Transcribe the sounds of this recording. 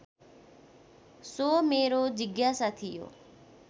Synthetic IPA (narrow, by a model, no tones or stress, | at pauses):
soːmeːɾoːd͡ʒɪɡjaːsat̪ʰɪjo̰ː